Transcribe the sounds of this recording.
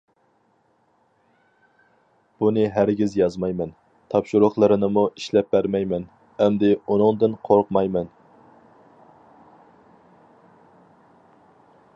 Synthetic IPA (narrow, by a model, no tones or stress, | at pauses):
b̥unɨɦæɾɡʲizjɑzmɑjmɛn | t̪ʰɑpʃuɾʊχlˠɨɾɨnɨmuʔiʃlɛp̚bæɾmɛjmɛn | ɛmd̪ɪunɨŋd̪ɨnqʰoɾqmɑjmɛn